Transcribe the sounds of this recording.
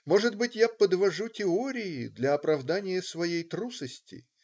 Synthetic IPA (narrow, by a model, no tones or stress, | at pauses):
mo̞ʐɨd̪bɨtʲjapəd̪vɐʐutʲɪoɾʲɪjɪd̪lʲɐɐpɾɐvd̪anʲɪjəsvɐjejt̪ɾusəsʲtʲɪ̰